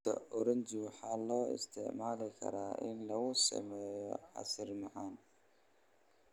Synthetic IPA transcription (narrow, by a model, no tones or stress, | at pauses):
ɐ̰ʔɔɾʊnt͡ʃwħɑːlɔːɪ̰st̪ʰɛʕmaːlɪkʰɐ̰ɾaːʔɪnlɐɣʊsɐ̰mɛːjɔʕɑ̰sɪrmɑʕaːn